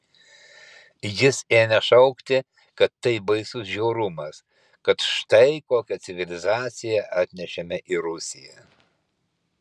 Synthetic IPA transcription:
jɪseːnʲɛʃɐʊkt̪ʲɪ | kɐt̪ːɐɪbɐɪsʊsʒʲɛʊɾʊmɐs | kɐt̪ʃt̪ɐɪkoːkʲɛt̪sʲɪʋʲɪlʲɪzɑːt̪sʲɪjɛʔɑːt̪ʲnʲɛʃʲɛmʲɛʔɪɾʊsʲɪjɛ

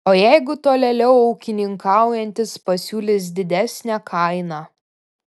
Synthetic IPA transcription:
oːjæɪɡʊt̪oːlʲɛlʲɛʊɐʊkʲɪnʲɪŋkɑˑʊjɛnʲt̪ʲɪspɐsʲuːlʲɪs̬d̪ʲɪd̪ʲæsʲnʲækʰɐɪnɑː

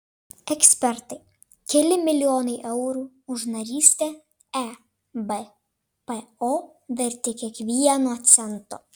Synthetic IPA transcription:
ɛksʲpʲɛɾt̪ɐɪ | kʲɛlʲɪmʲɪlʲɪjoːnɐɪʔɛʊɾuː | ʊʒnɐɾʲiːsʲt̪ʲɛ | ɛ | bɛ | pɛoː | ʋʲɛɾʲt̪ʲɛkʲiɛkʋʲiɛnoːt̪sʲɛnt̪o̰ː

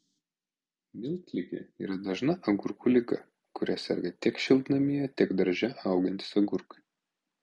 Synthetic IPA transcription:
mʲɪlʲt̪ʲlʲɪɡʲɛ̰ḭːɾɐd̪ɐʒnɐʔɐɡʊɾkuːlʲɪkɐ̰ | kʊɾʲɛsʲɛ̰ɾʲɡʲɐt̪ʲiɛkʃʲɪlʲˠd̪ʲɪnɐmʲɪjɛt̪ʲɪɡd̪ɐɾʲʒʲɛʔɐˑʊɡʲɪnʲt̪ʲɪ̥sɐɡʊɾkɐ̥ɪ

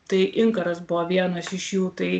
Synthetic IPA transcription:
t̪ɐɪʔɪŋkɐɾɐsbʊʋɔʋʲiɛnɐsɪʃjuːt̪ɐɪ

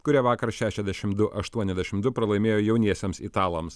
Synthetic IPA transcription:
kʊɾʲiɛʋɑːkɐɾʃʲæːʃʲɛzʲd̪ʲæʃʲɪmd̪ʊʔɐʃt̪uɔnʲɛzd̪ʲæɛʃʲɪmd̪ʊpɾɐlˠɐɪmʲeːjoːjɛʊnʲiɛsʲɛmsit̪ɑːlˠɐms

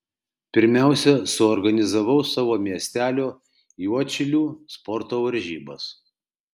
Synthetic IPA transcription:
pʲɪɾʲmʲæˑʊsʲɛsʊɔɾɡɐnʲɪzɐʋɐʊsɑːʋoːmʲiɛsʲt̪ʲæːlʲoː | juɔt͡ʃʲɪlʲuːspɔɾt̪oːʋɐɾʲʒʲiːbɐs

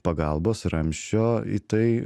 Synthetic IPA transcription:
pɐɡɐlˠboːsɾɐmʲʃʲt͡ʃʲoːit̪ɐɪ

